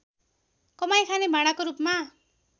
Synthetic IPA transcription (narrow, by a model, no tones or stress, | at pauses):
kʌmaj̃kʰanebʱaɽ̃akoɾupma